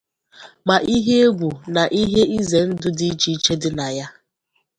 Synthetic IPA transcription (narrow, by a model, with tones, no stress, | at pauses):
ma˨ʔi˦ɦe˦e˦ɡʷu˨na˨ʔi˦ɦe˦i˦ze˨n̩˦dʊ˦di˦t͡ʃi˦t͡ʃe˦dɪ˦na˨ja˦